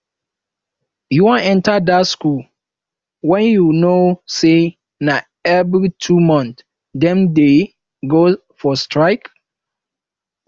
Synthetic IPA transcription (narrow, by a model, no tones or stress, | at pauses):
juwɔ̃nɛ̃ntadatskul | wɛ̃njunose | na | ɛvɾitʰumɔ̃nt | dɛ̃mde | ɡo | fɔstɹaɪk